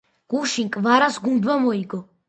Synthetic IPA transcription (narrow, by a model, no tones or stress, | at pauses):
ɡ̥uʃinkʼvaɾasɡund̪vamɔiɡɔ